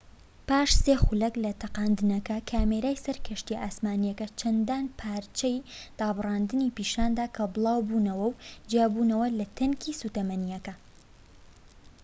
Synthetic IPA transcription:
paːʃseːxʊlɐklɐt̪ʰɐqaːnd̪ɨnɐkɐkʰaːmeɾaːjsɐɾkʰɐʃt̪iʔaːsmaːnijɐkɐt͡ʃʰɐnd̪aːnpʰaːɾt͡ʃɐjd̪̥aːbɨrɑːnd̪ɨniːpiːʃaːnd̪aːkʰɐbɨlˠaːwbuːnɐwɐwd͡ʒjaːbunɐwɐlɐt̪ʰɐŋkʰiːsuːt̪ɐmɐnijɐkɐ

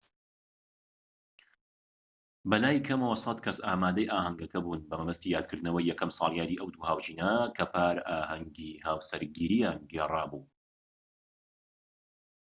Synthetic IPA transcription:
bɐlaːjkʰɐmɐwɐsˤɐt̪kʰɐsaːmaːd̪ɐjʔaːhɐŋɡɐkɐbuːnbɐmɐmɐst̪iːjaːd̪̚kʰɨɾd̪̚nɐwɐjːɛkɐmsˤɑ̰ːlˠjaːniːʔɐwd̪uːhaːwd͡ʒiːnɐkʰɐpʰaːɾaːhɐŋɡiːhaːwsɐɾɡiːɾijaːnɡeːrˤaːbuː

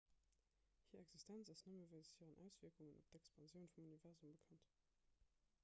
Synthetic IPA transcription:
hiːɐɛkz̥istʰænt͡sɑsnəməvælzəhiːʁənʔæ̰ʊsv̥iɐkuŋənʔo̰p̚tɛkspʰɑnzjəʊnfumunivɛʁzumbəkʰɑnt

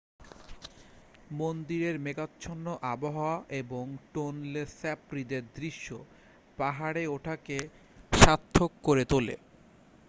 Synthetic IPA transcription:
mond̪iɾeɾmeɡat̪ːɕʰonːoʔaboɦaaʔeboŋʈonlesɛpɾid̪eɾd̪ɾiʃːo | paɦaɽeoʈʰake | ʃat̪ʰːokːoɾet̪olḛ

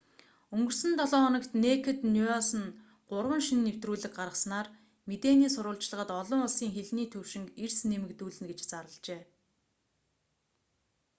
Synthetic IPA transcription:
ɵŋɡɵ̆rsɘ̆nt̪ɔɮɔːnə̆kt̪nekʰĕt̪nuasə̆n | ɢ̥ʊrwə̆nʃinːew̥t̪ruːɮɘ̆k̚ɢarʁə̆snaːr | met̪eːniːsʊɾʊːɮt͡ɕɮə̆ʁə̆t̪ɔɮɞ̆ŋʊɮsiːŋxeɮniːt̪ʰɵwʃɪ̆ŋkersnemɘ̆kt̪uːɮɘ̆nɡet͡ɕt͡saɾə̆ɮt͡ɕeː

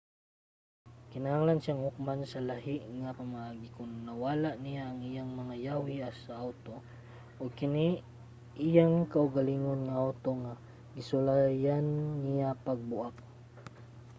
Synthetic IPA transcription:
kɪnahaŋlanʃaŋhʊk̚mansɐlaɦɪʔŋapɐmaʔaːɡikʊnːɐwaːlaʔnɪjaʔːŋijaŋmɐŋajawiasaʔawt̪o | ʔoɡ̚kɪni | ʔɪjaŋkaʔʊɡaliŋonŋaʔawt̪oŋa | ɡɪsʊlajanːɪjapaɡ̚bʊʔak̚

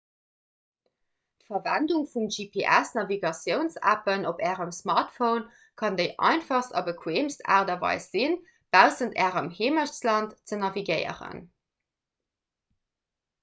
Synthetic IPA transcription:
tfɐvænduŋfumʒipʰeʔæsnɑviɡɑsjəʊnsæ̰pənopæːʁəmsmɑʁtfəʊn | kʰɑndəɪʔɑ̰ɪnfɑχstɑ̰bəkʰweːmsta̰ːʁdɐvɑ̰ɪsz̥in | b̥æʊzəntæːʁəmheːməʃt͡slɑntt͡sənɑviɡəɪə̰ʁə̰n

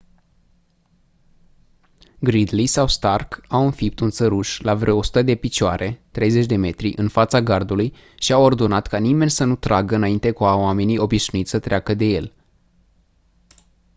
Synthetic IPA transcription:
ɡɾid̪lisawst̪arkawɨnfip̚t̪unt̪səɾuʃlavɾeoosu̥t̪əd̪e̞pit͡ʃoaɾʔe̞t̪ɾe̞jze̞t͡ʃʲd̪e̞me̞t̪ɾiʔɨnfat̪saɡard̪uluj | ʃiawo̞rd̪o̞nat̪kanime̞nʲsənut̪ɾaɡəɨnaint̪e̞kuaoame̞nijo̞biʃnuit̪sət̪ɾeakəd̪e̞je̞̰l

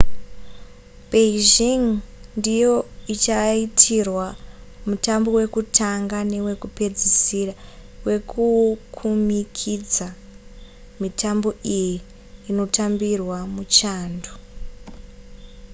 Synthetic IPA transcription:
beiʒiŋndijo̞it͡ʃaitʰirwamutambo̞we̞kutʰaŋɡane̞we̞kupe̞d͡zisirawe̞kʰukʰumikʰid͡za | mitʰambo̞ʔijiː | no̞tambirwamut͡ʃaːndo

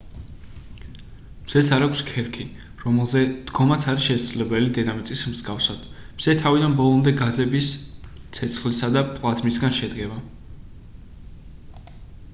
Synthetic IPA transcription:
mz̥ɛsaɾakʰskʰɛɾkʰi | ɾɔmɛlˠzɛd̪̥ɡɔmat̪sʰaɾiʃɛsadzlɛbɛlid̪ɛnamit̪sʼismzɡafsad̪̥ | mz̥ɛt̪ʰavid̪anbɔlˠɔmd̪ɛɡazɛbist̪sʰɛt̪sʰχlisad̪apʼlˠazmisɡanʃɛd̪ɡɛba

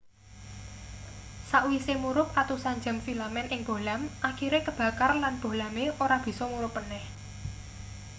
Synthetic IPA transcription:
saʔwisemuɾʊp̚at̪usaɲd͡ʒa̤mfilamɛnʔɪŋb̥o̤lamʔakiɾekəb̥ä̤karlanb̥o̤lameoɾab̥i̤sɔmuɾʊpːənɛh

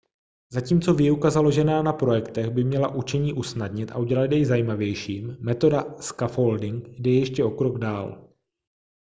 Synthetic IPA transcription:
zaciːmt͡so̞vɪjukazalo̞ʒɛnaːnapɾo̞jɛkt̪ɛɣbɪmɲɛlaʔut͡ʃɛɲiːʔusnadɲɪt̪ʔa̰ʔuɟɛlat̪jɛjzajiːmavjɛjʃiːmmɛt̪o̞daskafoldɪŋkdɛjɛjɛʃcɛo̞kɾoɡdaːl

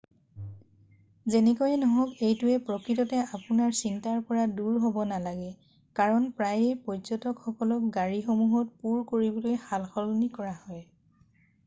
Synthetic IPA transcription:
zenɛkojɛnɔɦɔkejtʊɛpɹɔkɹitɔtɛapʊnaɹsintaɹpɔɹaduɹɦobɔnalaɡɛ | kaɹɔnpɹajejpɔzɔtɔkxɔkɔlɔk̚ɡaɹixomuɦɔt̚puɹkoɹibɔlojhalxɔlnikɔɹahɔj

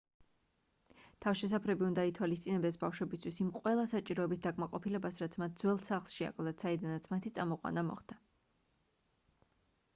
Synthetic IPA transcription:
t̪ʰavʃɛs̬apʰɾɛbiund̪ait̪ʰwalist̪sʼinɛbd̪ɛsbafʃwɛbist̪ʰwisimqʼwɛlˠasat͡ʃʼiɾɔɛbisd̪akʼmaqʼɔpʰilɛbasɾat̪sʰmat̪̚ʰd̪zwɛlˠsaχlˠʃia̰kʰʼlˠd̪at̪said̪anat̪sʰmat̪ʰit̪sʼamɔqʼwa̰namɔ̰χd̪̥a

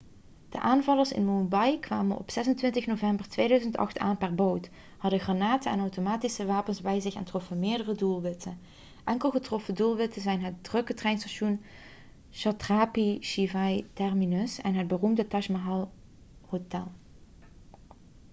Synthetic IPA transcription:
d̥əʔaːnvɑlˠəɹsɪ̰nmumbɑjkʋaːmənʔɔ̰psɛzəntʋɪntəxnovɛmbəɹtʋeːdœɥzəntɑ̰χta̰ːnpɛrbowt | hɑdəanaːtəɛnɑwtomaːtisəʋaːpənzbɛjzɪxɛ̰ntrɔfəmɪːɹdərədulˠʋɪtə | ʔɛŋkəlˠɣətrɔfədulˠʋɪtəzɛjnɦət̚drɵkətrɛjnstaʃun | ʃɑtraːpiʃivɑjtɛrminɵsɛnɦəd̚bərumdətɑʃmaɦɑlˠ | hotɛ̰lˠ

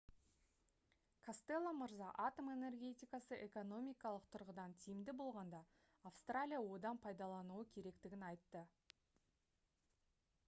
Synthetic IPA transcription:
kʰast̪e̞lˠːaməɾzɑʔɑt̪o̞me̞ne̞rɡʲe̞t̪ʲijkɑsəʔe̞ko̞no̞mijkɑlˠəqt̪ʰʊɾʁəd̪ɑnt̪ʰijɪmd̪ɪbo̞lˠʁɑnd̪ɑː | fst̪ralʲijawo̞d̪ɑnpʰɑjd̪ɑlˠɑnuəkʲʰe̞ɾe̞kt̪ɪɡʲɪnɑjt̪ːə

